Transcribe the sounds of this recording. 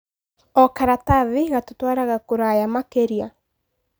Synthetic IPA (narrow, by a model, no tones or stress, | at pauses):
ɔkaɾataðiɣatotwaːɾaɣakoɾajamakeɾia